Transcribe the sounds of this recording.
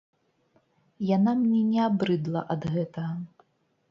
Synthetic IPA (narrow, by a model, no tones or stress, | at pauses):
janamnʲɛnʲɛabɾɨd̪lˠɐ̰ʔɐd̪ɣɛt̪ɐɣɐ